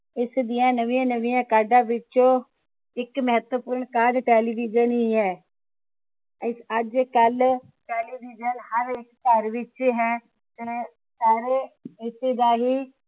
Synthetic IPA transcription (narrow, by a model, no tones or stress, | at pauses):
ɪsd̪ijãːnəʋĩãːnəʋijãːkaːɖãːʋɪt͡ʃõː | ɪkməɦət̪wəpʊɾɳkaːɾʈɛːliːʋɪd͡ʒənɦiɦɛː | ɪəd͡ʒkəl | ʈeːliːʋɪd͡ʒənhəɾɪkkəɾʋɪt͡ʃːɦɛː | t̪e | saːɾeːɪseːd̪aːɦiː